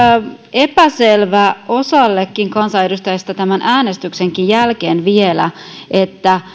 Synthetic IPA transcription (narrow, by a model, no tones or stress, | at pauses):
e̞pæselʋæʔo̞sɑlːekːiŋkɑnsɑedust̪æjɑst̪æt̪æmænʔæːne̞st̪ykse̞ŋkijjælkeːnʋielæ̰ʔet̪ːæ